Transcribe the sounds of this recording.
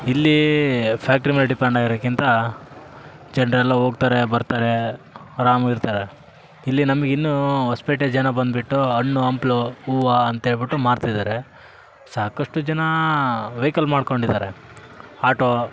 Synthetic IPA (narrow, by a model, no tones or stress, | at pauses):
ilːipʰaːk̚ʈɐɾimɐlɖipeɳɖaːɡiɾokːint̪ɐ | d͡ʒɐɳɾɛlːɐɦoːɡt̪aːɾebɐɾt̪aːɾeɾaːmɐɡiɾt̪aːɾe | ilːinɐmɐɡeinːuɦɐspeʈed͡ʒɐnɐbɐnd̪biʈːuɐɳːuɐmplouːʋaɐnt̪ɐɦe̞ːɭbiʈːumaːɾt̪ajd̪aːɾe | saːkɐʂʈud͡ʒɐnɐʋejkɐlmaːɖko̞ɳɖid̪aːɾe | aːʈo